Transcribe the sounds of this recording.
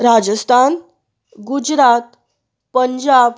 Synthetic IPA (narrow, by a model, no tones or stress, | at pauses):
ɾad͡ʑəst̪ʰan | ɡud͡ʑɾat̪ | pəɲd͡ʑab